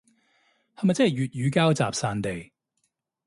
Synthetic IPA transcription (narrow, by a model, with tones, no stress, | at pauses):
ha˨mɐ˨t͡sɛ˥˨jɥyː˨t̚jyː˨˧kaː˥wt͡sa̰ː˨˩p̚saː˧nt̪e˨j